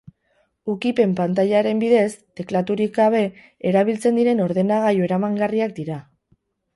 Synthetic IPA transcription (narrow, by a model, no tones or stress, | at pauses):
ukipe̞mpant̪aʎaɾe̞mbiðe̞st̪e̞klat̪uɾikaβ̞e̞ | eɾaβ̞ilt͡se̞nd̪iɾe̞no̞ɾðe̞naɣ̞ajoe̞ɾamaŋɡariak̚d̪iɾa